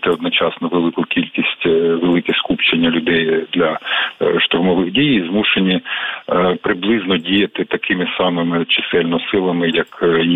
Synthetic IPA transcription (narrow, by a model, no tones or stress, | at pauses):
t̪ɛɔd̪nɔt͡ʃɑsnɔʋelˠɪkʊkʲilʲkʲisʲtʲʋelˠɪkʲɛskupt͡ʃenʲːɐlʲʊd̪ɛjd̪lʲɐʃt̪ʊrmɔʋɪɣdʲijizmuʃenʲi | pɾɪblˠɪznɔdʲijɐt̪ɪt̪ɐkʰɪmɪsɑmɪmɪt͡ʃɪ̥sɛlʲnɔsɪlˠɐmɪjɐk